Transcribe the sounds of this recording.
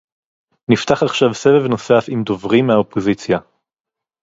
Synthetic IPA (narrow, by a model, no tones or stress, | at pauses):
nift̪aχaχʃavsevevno̞safimd̪ovʁimeaopʰozit͡sja